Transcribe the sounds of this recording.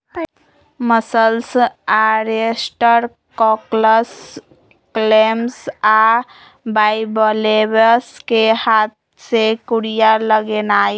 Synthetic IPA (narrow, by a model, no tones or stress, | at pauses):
məsəlsaɾesʈəɾ | kɔkləs | klemsa | baɪbəlebəskehaːt̪̚ | sekuɽijaləɡenaːj